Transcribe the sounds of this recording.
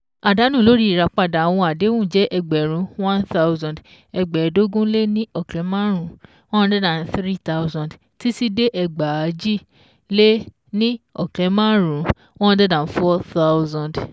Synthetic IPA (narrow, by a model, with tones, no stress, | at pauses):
a˨da˨˦nũ˦˨lo˨˦ɾi˦i˨ɾa˧k͡pa˧˨da˨a˨w̃ɔ̃˧a˨de˨˦wũ˦˨d͡ʒɛ˨˦ʔɛ˧ɡ͡bɛ˨ɾ̃ũ˨˦wã˦nta˦wzã˨d | ɛ˧ɡ͡bɛ˨˦do˦ɡũ˦le˦nĩ˦ɔ˦˨klɛ˨˦mã˦ɾũ˨ | w̃ɔ̃˦˧dɛ˦dã˨n˨˦θɾi˦t̪a˦wzã˨d | ti˦si˦de˦ʔɛ˧ɡ͡ba˨a˨˦d͡ʒi˦˨ | le˦ | nĩ˦ɔ˨klɛ˨˦mã˦ɾũ˨ | wɔ̃˦˧˦dɛ˦dã˨n˨˦fɔ˦θa˦wzã˨nd